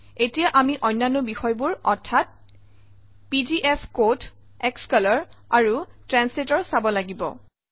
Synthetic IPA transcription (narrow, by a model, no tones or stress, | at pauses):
etijaʔamiʔɔjnːanʊbixɔjbuɹɔɹtʰat̚ | pid͡ʒiʔepʰkot | ɛkskɔlɔɹaɹutɹanslitɔɹsabɔlaɡibɔ̰